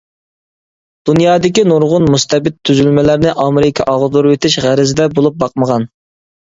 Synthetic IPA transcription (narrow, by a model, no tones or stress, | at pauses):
d̪̥unjɑːd̪ɪkʲinoɾʁʊnmust̪ʰɛbɪt̪ʰːyzylmɛlæɾnɪʔɑmɪɾɪkʲʰɑʔɑʁd̪uɾwet̪ʰɪʃʁæɾɪzɪd̪ɛbolˠup̚bɑqməʁɑn